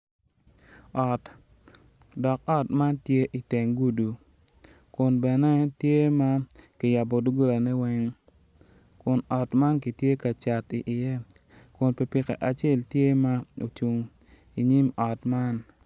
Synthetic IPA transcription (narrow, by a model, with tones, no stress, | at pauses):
ɔ˨t | dɔ˨kɔ˦tma˦ntje˦ʔi˨tɛ˨ŋɡu˦du˨ | kʊ˨nbɛ˨nɛ˦tje˦ma˦kɪ˨ja˨bo˨du˦ɡu˦ɾa˨nɛ˦wɛ˦ŋ | kʊ˨nɔ˨tma˦nk̬i˨tje˦ka˨t͡ʃa˨ti˨ʔɪ˨je˦ | kʊ˨npe˨pɪ˨kɛ̰˨ʔa˨t͡ʃe˦˨ltje˦ma˦o̰˨t͡ʃu˨ŋ | i˨ɲi˦mɔ˨tma˦n